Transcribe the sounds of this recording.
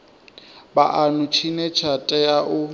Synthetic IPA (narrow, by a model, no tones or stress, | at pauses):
baʔanʊt͡ʃʰinɛt͡ʃʰatʼɛaʔʊ